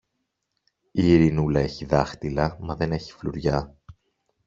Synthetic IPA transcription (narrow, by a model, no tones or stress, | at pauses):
iːɾinulɐe̞çiðɐxt̪ilɐmɐðe̞ne̞çi̥fluɾʝɐ